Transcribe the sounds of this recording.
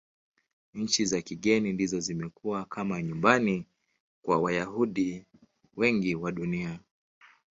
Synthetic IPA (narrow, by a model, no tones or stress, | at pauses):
ɲ̩t͡ʃizakiɠɛnindizɔzimɛkuwakamaɲumbani | kwa̰wajaɦuɗi | wɛŋɡiwaɗunia